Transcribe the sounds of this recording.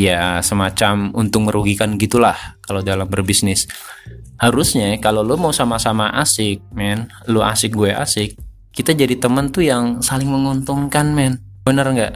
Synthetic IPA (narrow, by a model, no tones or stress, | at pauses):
jasəmat͡ʃamunt̪ʊk̚məɾuɡikanɡit̪ulahkalodalambərbisnɪs | haɾusɲakalolumausamasamaʔasɪk̚mɛn | loa̰sɪk̚ɡuɛʔa̰sɪk̚ː | it̪ad͡ʒadit̪əmənt̪ujaŋsalɪŋməŋunt̪uŋkanmɛn | bənərŋɡaʔ